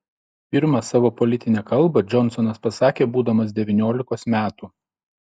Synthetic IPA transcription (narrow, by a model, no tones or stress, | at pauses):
pʲɪɾmɐsɑːʋoːpɔlʲɪt̪ʲɪnʲɛːkɐlˠˑbɐd͡ʒʲɔnˑsɔnɐspɐsɑːkʲeːbuːd̪ɐmɐsd̪ʲɛʋʲɪnʲoːlʲɪkoːsmʲæːt̪uː